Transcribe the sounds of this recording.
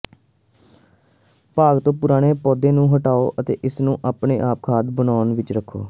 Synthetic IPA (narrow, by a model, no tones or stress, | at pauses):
paːɡt̪õːpʊɾaːɽ̃eːpɔːd̪ẽːnũːɦəʈaːoːʔət̪ḛːʔɪsnũːʔaːpɳeːʔaːp̚kʰaːd̪bənaːnʋɪt͡ʃɾəkʰːo̰ː